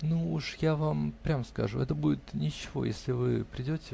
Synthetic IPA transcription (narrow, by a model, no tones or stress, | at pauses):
nuuʂjavampɾʲamskɐ̰ʐṵɛt̪əbudʲɪt̪nʲɪt͡ɕːɪvo̞̰jesʲlʲɪvɨpɾʲɪdʲotʲɪ